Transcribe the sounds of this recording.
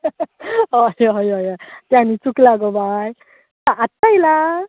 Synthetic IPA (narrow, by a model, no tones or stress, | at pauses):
ɔjɔjɔjɔjtjanit͡suklaɡɔbaj | taʔːtajla